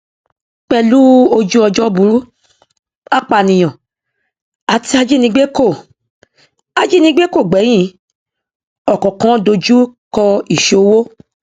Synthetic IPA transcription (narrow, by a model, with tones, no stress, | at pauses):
k͡pɛ˧lu˦o˧d͡ʒu˦ɔ˧d͡ʒɔ˦bu˨˧˦ɾu˦ | a˦k͡pa˨nĩ˨j̃ã˨ | a˨ti˧a˧d͡ʒi˦nĩ˧ɡ͡be˦ko˦˨ | a˧d͡ʒi˦nĩ˧˦ɡ͡be˦ko˦˨ɡ͡bɛ˨˦j̃ĩ˦˨ | ɔ˨kɔ̃˨kã˨˦do˧d͡ʒu˦kɔ˧i˦˨ʃe˨˧o˧wo˦